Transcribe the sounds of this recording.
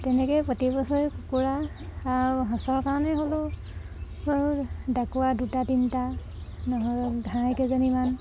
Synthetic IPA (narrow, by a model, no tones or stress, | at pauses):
tɛnɛkɔjpɔtipɔsɔkukuɹaː | ɦɔ̃sɔɹkaɹɔnɛɦolʊ | dakuwadutatinta | nɔɦɔjdʱãkezɔniman